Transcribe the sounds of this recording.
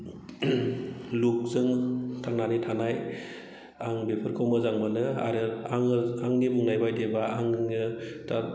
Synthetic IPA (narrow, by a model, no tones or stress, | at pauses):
luk̚zɯŋtʰaŋnanitʰanaj | aŋbepʰɯɾkʰɯwmɯzaŋmɯnɯa̰ɾɯaŋaŋnimɯŋnajbajdebaaŋɯtʰa